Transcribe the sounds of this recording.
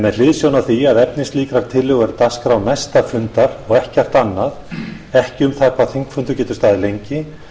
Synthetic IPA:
mɛðl̥ɪðsjownaθiaðɛpnɪsliːkɾaɾ̥t̪ʰɪlːʏɣɛɾt̪askɾawnajst̪afʏnt̪aɾɔɣɛhcɛr̥t̪anːað | ɛhcɪʏmθḁkʰvaðθiŋkfʏnt̪ʏɾcɛːt̪ʏ̥st̪aːðɪlejɲcɪ

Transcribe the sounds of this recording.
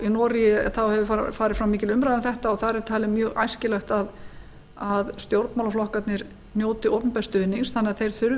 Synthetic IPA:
inɔɾiɪ̰θawhɛvʏfaːɾɪ̥fɾawmiːcɪlʏmɾajðʏmθɛht̪aɔθaðɾɛɾ̥t̪ʰaːlɪmjœːɣa̰jscɪlɛxt̪að | aðst̪jowɾt̪mawlaflɔhkat̪nɪɾ | njoːwt̪ɪoːwpnpɛst̪ʏnːiŋsθanːɛɣaðθejɾ̥θʏɾ

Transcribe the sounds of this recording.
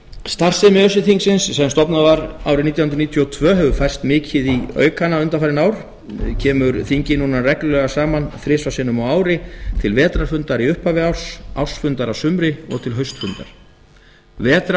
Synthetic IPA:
st̪ar̥sɪmɪœsɪθiŋksɪnsːɛmst̪ɔpnavaɾaːwɾɪniːt̪jahʏnɾniːt̪ʰjɔɔt̪ʰvœːɦɛvʏfajr̥st̪mɪːcʰɪðiœ̰ːɥkanaʏnt̪afaɾɪnaːwɾ̥ | cʰɛːmʏɾθiɲcɪnuːnarɛklʏlœɣasaːmanθɾɪsvasɪnːʏmawaːwɾɪt̪ʰɪlvɛːt̪ɾaɾfʏnt̪aɾiʏhpavɪawr̥sa̰w̥sfʏnt̪aɾawsʏmɾɪɔ̰ɣt̪ʰɪlɦœɥst̪fʏnt̪a̰ɾ̥ | vɛːt̪ɾa

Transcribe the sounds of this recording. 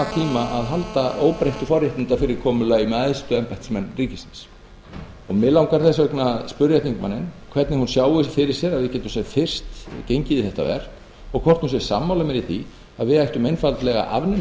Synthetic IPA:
at̪ʰiːmaʔaðɦalt̪aʔoːwpɾejht̪ʏfɔɾjɪht̪ɪnt̪afɪɾɪɾ̥kʰɔːmʏlaimɛðaðst̪ʏɛmpajht̪smɛnːriːcɪsɪ̥ns | ɔɣmɪðlawŋkaɾ̥θɛsːaœknaspʏɾjat̪ʰiŋkma̰nːɪnkʰvɛt̪nɪhunsjaːwɪfɪɾɪɾ̥sjɛɾaðvɪcɛt̪ʏmsjɛɾfɪr̥st̪cejɲcɪðɪθɛht̪a̰vɛ̰ɾ̥ | ɔɣkʰɔ̥t̪hunsjɛɾ̥sa̰ːmːawlamɛɾiθi | aðvɪðajht̪ʏmejnfalt̪lɛɣa̰ʔa̰vnɪ

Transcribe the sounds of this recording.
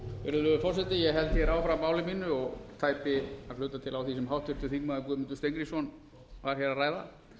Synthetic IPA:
fɛ̰ɾðʏðʏfɔr̥sɛt̪ɪjɛɦɛlt̪çɛɾaːwfɾamːaːwlɪmiːnʏɔɣt̪ʰaːjpɪaɾlʏːt̪at̪ʰɪlawθisɛmɦawht̪ʏɾ̥t̪ɪɾθinmaðɪkʏðmɪnt̪ʏ̥st̪ejŋkɾisɔn | vaɾ̥çɛɾaraːjða̰

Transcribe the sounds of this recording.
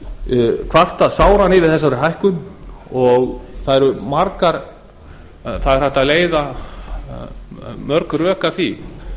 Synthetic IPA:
kʰvar̥t̪aðsaːwɾanɪvɪðθɛsːaɾʏɦajhkʏnɔɣθaðɛɾʏmaɾkaɾ | θaðɛɾ̥aht̪aðleːjða | mœɾkɾœːkaθi

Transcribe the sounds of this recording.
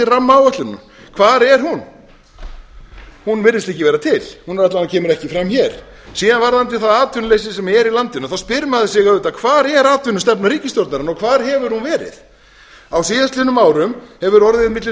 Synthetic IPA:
ɪramːaawvœht̪lʏnːʏ̰m | kʰvaːɾɛɾ̥hun | hunvɪɾðɪst̪ɪhcːɪvɛːɾat̪ʰɪlhunɾat̪laacʰɛːmʏɾɛhcɪfɾamçɛɾ̥ | siːðanvaɾðant̪ɪθaðaːt̪ʰʏnlejs̬ɪsɛmɛɾilant̪ɪnʏθawspɪɾmaðɪsɛɣaɾʏːt̪akʰvaːɾɛɾaːt̪ʏnʏst̪ɛpnaɾiːcɪst̪jɔɾt̪naɾɪnɔkʰvaːɾ̥ɦɛvʏɾ̥hunvɛːɾɪ̰θ | awsiːðast̪lɪnʏmaːwɾʏmhɛvʏɾɔɾðɪðmɪt̪lɪ

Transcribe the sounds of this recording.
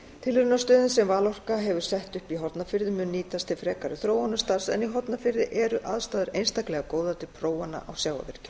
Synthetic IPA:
t̪ʰɪlɾʏnast̪œːðɪnsɛmvaːlɔr̥kaɦɛvʏɾ̥sɛht̪ʏhpiɦɔɾt̪nafɪɾðɪmʏnːiːt̪ast̪ʰɪlfɾɛːkaɾʏθɾoːwanʏst̪aɾ̥sɛ̰niɦɔt̪nafɪɾðɪʔɛɾʏʔaðst̪aːðʏɾejnst̪aklɛɣakoːwðat̪ɪlpʰɾoːwanːa̰ʔa̰wsjaːwa̰vɛɾ̥cɪ̥

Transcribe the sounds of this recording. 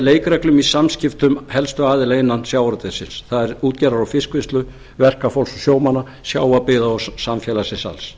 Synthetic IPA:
leːjkɾɛklʏmisamscɪft̪ʏmhɛlst̪ʏaːðɪlaɪnːansjaːwɾt̪ɪsɪ̰nsθaðɛɾuːt̪̚cɛɾaɾawfɪskvɪst̪lʏ | vɛr̥kafowlsɔsjoːwmanːa | sjaːwapɪðaɔsamfjɛːlasɪnsa̰ls

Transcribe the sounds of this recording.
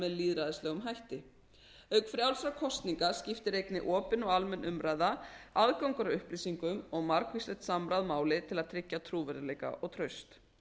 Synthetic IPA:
mɛðliːðɾaðɪslɛːɣʏmɦajht̪ɪ | œkfɾjawlsɾakʰɔst̪niŋkascɪft̪ɪɾejknɪ̰ʔɔːpɪnɔɣalmɛnʔʏmɾaːjðaaðkawŋkʏɾaʏhpliːsiŋkʏmɔɣmaɾkvislɛt̪samɾaðmaːwlɪt̪ʰɪlaðt̪ʰɾɪcːat̪ʰɾuːvɛɾðɪlejka̰ʔɔɣt̪ʰɾœɥst̪

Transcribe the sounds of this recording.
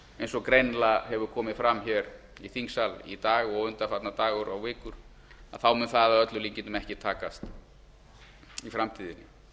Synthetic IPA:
ejnsɔkɾejnlahɛvʏɾkʰɔːmɪðfɾamːçɛːɾ | iθiŋksalḭt̪aːɣɔɣʏnt̪afat̪nat̪aːɣʏɾawvɪːkʏɾ̥ | a̰ðθawmʏnθaðaðœt̪lʏliɲcɪnʏmɛhcɪt̪ʰaːkast̪ | ifɾamt̪ʰiːðɪnːɪ

